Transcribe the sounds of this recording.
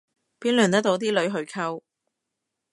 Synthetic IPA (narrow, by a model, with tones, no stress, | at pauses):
piː˥nlœː˨˩nt̪ɐ˥t̪o˨˧˥t̪iː˥lɵ˨˥ɥɦɵ˨˧ɥkʰɐ˧w